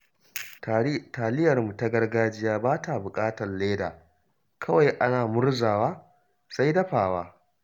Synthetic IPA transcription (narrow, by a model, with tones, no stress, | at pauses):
taː˨lɪ˦jɐ˨rmu˨ta˦ɡɐ˦rɡaː˦d͡ʒɪ˦jaː˦baː˦ta˨bʊ˨kʼaː˦tɐ˨rleː˦da̰ː˨ | kʰɐ˦wa˨jʔa˦naː˨mʊ˦rzaː˨waː˦ | sa˦jdɐ˦ɸaː˨waː˦